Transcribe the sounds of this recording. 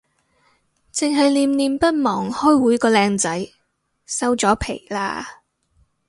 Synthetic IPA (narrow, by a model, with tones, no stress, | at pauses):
t͡sɪ˨ŋɦɐ˨jliː˧mniː˧mpɐ˥t̚mɔː˨˩ŋhɔː˥jwuː˨˥jkɔː˧lɛː˧ŋt͡sɐ˨˥j | sɐ˥wt͡sɔː˨˥pʰe˨˩jla̰ː˧